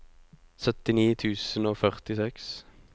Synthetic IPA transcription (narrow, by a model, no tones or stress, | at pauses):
sœt̪ɪniːt̪ʰʉːsənoːfœʁt̪ɪsɛks